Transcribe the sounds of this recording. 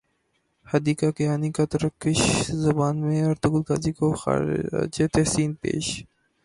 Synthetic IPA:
hɐd̪iːkakeaːnikat̪ɐɾəkːɪʃzɐbaːnmẽɐɾt̪ʊɡʊlka̰ːzikoxa̰d͡ʒet̪ɛhsiːnpḛːʃ

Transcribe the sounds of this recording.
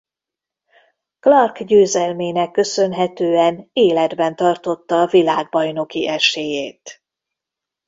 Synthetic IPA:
klɒrkɟøːzɛlmeːnɛkːø̞sø̞nɦɛt̪øːɛneːlɛd̪bɛnt̪ɒrt̪o̞t̪ːɒːvilaːɡ̚bɒjno̞kiʔɛʃeːjeːt̪

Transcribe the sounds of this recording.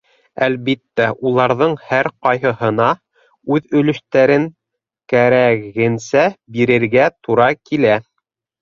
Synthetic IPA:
ælβit̪ːæʔulˠɑɾðɤɴhæɾqɑjhɤ̆ɦɤ̆nɑ | ʉðɵ̆lɵ̆ʃt̪æɾɘŋ | kæɾæɣɘ̆nsæbiɾɘ̆ɾɡæt̪uɾɑkilæ

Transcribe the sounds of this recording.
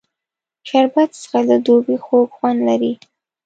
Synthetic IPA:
ʃaɾbat̪sə̥xaləd̪obixoɡxwand̪laɾi

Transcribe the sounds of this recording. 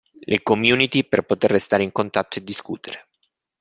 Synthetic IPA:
lʔekomjuːnit̪iperpot̪erːest̪aːɾeiŋkont̪at̪ːoed̪ːiskuːt̪eɾe

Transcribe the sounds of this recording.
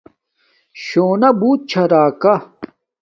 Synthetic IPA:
ɕoːnɐbuːt̪̚t͡ɕʰɐɾaːkɐ

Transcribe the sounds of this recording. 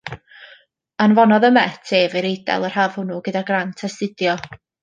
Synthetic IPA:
anvɔnɔðəmɛtʰeːvɪɾejdɛ̰lˠər̥hav̥hʊnuɡ̥ədaɡrantʰastɪdjɔ

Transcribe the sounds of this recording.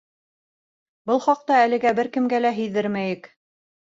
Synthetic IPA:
bɤlˠχɑq̚t̪ɑælɘ̆ɡæbɘɾkɘ̆mɡælæɦɵ̆jðɘɾmæjɘk

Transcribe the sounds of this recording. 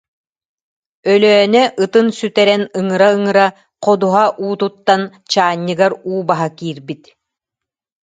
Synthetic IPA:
œlœːnɛʔɯt̪ɯnsyt̪ɛɾɛnɯŋɯɾaɯŋɯɾa | qɔd̪uɦaʔuːt̪ut̪ːan | t͡ɕaːɲːɯɡaɾuːbaɦakiːɾbit̪

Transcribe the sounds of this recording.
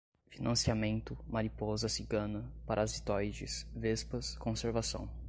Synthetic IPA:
finɐ̃siamẽnt̪ʊmaɾipɔzɐsiɡɐ̃nɐpaɾʔazit̪ɔjd͡ʒɪsvespɐskõseɾvasɐ̰̃w̃

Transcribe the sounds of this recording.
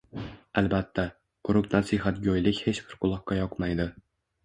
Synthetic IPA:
alˠbat̪ʰːa | qʰʊɾʊqnasɪɦat̪̚ɡʲɒjlɪkʲhe̞t͡ʃbɪɾqʰʊlˠɒqːɑjɒqmajd̪ɪ

